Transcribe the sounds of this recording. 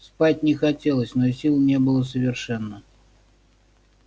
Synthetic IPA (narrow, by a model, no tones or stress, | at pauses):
spatʲnʲɪxɐtʲelˠəsʲnosʲilˠnʲebɨlˠəsəvʲɪrʂɛnːə